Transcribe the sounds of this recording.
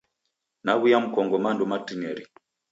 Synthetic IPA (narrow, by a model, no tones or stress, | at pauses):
naɣujam̩kɔŋɡɔmandɔmatinɛɾi